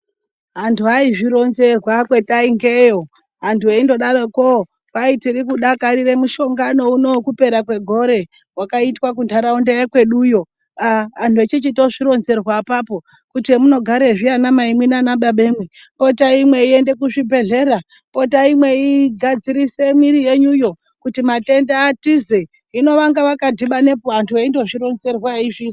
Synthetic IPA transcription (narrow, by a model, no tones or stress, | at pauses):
ɦantʰuɦaiʐiɾo̞nze̞rwakwe̞taiŋɡe̞jo̞ | ɦantʰueindo̞ɗaroko | paitiɾikuɗakaɾiɾe̞muʃo̞ŋɡano̞uno̞kupe̞ɾak̬we̞ɡʱo̞ɾe̞ | wakaitwak̬undʰaɾaundejakwe̞ɗuːjo̞ | aantʰuet͡ʃit͡ʃitoʐiɾo̞nze̞rwapaːpo̞ | kutmuno̞ɡʱaɾeʐianamaimwinanaɓaɓe̞mwepo̞taimwe̞ie̞nde̞kuʐibʱe̞ɮe̞ɾa | po̞taimwe̞iɡʱad͡ziɾise̞miɾije̞ɲujo̞ | kutimate̞ndaːtize | ino̞ʋaŋɡaʋakadʱiɓane̞poantʰueindo̞ʐiɾo̞nze̞rwaiʐis